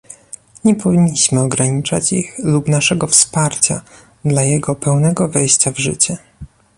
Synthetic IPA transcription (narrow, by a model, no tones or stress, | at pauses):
ɲɛpɔvʲiɲːiɕmɘɔɡɾaɲit͡ʂat͡ɕixlupnaʂɛɡɔfspaɾt͡ɕa̰ | d̪lajɛɡɔpɛwnɛɡɔvɛjɕt͡ɕavʐɘ̰t͡ɕɛ